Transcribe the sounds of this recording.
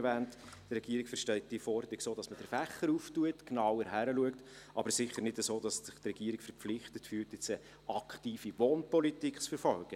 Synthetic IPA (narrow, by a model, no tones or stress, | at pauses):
vɛːnt | drɛɡ̥iəɾikfəɾʃtɛlt̚d̥iəfɔɾdəɾɪksoːd̥ɑsməd̥əɾfæχəɾuːftuətknɑwəɾɦæɾəluəkt | ʔɑbəɾsɪχəɾnɪdəsoːdɑssɪχtrɛɡ̥iːɾikfəɾp͡flɪχtətfyːltɪt͡sə | ɑkʰχtiːfiʋoːnpɔlitikχt͡sfəɾfɔlɡ̥ə